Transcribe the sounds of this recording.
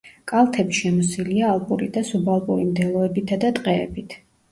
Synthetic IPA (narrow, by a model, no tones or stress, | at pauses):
kʼalˠt̪ʰɛbiʃɛmɔsiliaːlˠpʼuɾid̪asubalˠpʼuɾimd̪ɛlˠɔɛbit̪ʰad̪at̪ʼqʼɛ̰ːbit̪ʰ